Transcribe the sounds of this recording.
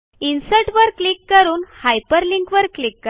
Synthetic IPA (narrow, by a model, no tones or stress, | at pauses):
insəʈʋəɾklikːəɾuːnhajpəɾliŋkʋəɾklikːə